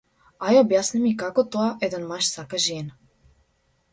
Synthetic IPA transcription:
ajobjasnimikakot̪oaʔed̪anmaʃsakaʒeːn

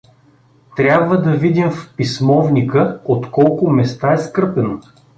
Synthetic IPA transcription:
t̪ɾʲabvəd̪ɐvid̪imfpismɔvnikəot̪kɔlˠkʊmɛst̪aɛskɾpɛno

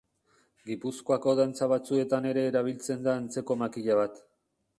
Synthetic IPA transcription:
ɡipusko̞ako̞ðant͡saβ̞at͡sue̞t̪ane̞ɾe̞ːɾaβ̞ilt͡se̞nd̪aːnt͡se̞ko̞makiʎaβ̞at̪

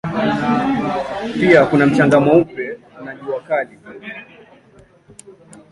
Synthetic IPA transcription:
piakunam̩t͡ʃaŋɡamaupɛ | unaʄuakali

